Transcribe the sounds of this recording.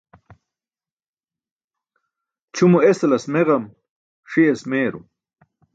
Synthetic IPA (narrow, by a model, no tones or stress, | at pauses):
t͡ɕʰumueslɐsmeʁɐm | ʂiesmeːɾṵ